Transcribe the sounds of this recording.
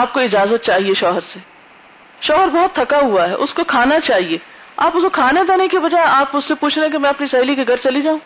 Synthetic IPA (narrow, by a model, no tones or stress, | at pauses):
aːp̚koɪd͡ʒaːzət̪̚t͡ʃaːɦieʃɔːɦəɾseː | ʃɔːɦəɾbɔɦʊt̪ʰːɐkaɦuaɦɛːʔʊskokʰaːnat͡ʃaːɦieː | aːpʊsokʰaːned̪anekibɐd͡ʒaːeaːpʊsːepuːt͡ʃʰneɛ̃kemɛ̃ːɐpnisaːilikeɡʱɐɾt͡ʃɐlid͡ʒaːũ